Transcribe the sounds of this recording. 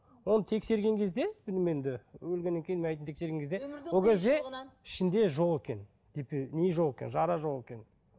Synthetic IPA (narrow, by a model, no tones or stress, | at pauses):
wo̞nət̪ʰe̞kse̞ɾɡʲe̞ŋkʲʰe̞zd̪e̞bɪlɪmend̪ɪwɵlɡʲenːeŋʲkʰʲejinmeɑjt̪nt̪ʰekse̞ɾɡʲeŋkʰʲzd̪ewo̞lˠkʲʰe̞zd̪e̞ɪʃɪnd̪e̞ʒo̞ʁekʲe̞n | d̪̥epneʒo̞ʁekʲenʒɑɾɑʒo̞ʁekʲe̞n